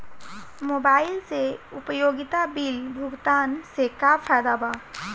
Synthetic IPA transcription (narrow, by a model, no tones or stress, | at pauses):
moːbaːɪlseʊpəjoːɡɪt̪abɪlbʱʊɡt̪aːnsekapʰəɾd̪aːbaː